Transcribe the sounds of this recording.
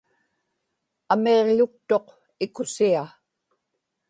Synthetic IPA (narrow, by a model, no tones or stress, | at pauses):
ame̞ʁʎʊk̚t̪o̞q | ɪkʊsia